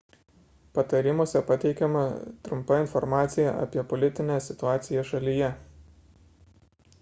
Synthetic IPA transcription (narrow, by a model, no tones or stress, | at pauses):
pɐt̪ɐɾʲɪmuɔsʲɛpɐt̪ʲɛɪkʲɛmɐ̰t̪ɾʊmpɐɪnfɔɾmɑːt̪sʲɪjɛʔɐ̰pʲiɛpɔlʲɪt̪ʲɪnʲesʲɪt̪ʊɑːt̪sʲɪjɛʃɐlʲijɛ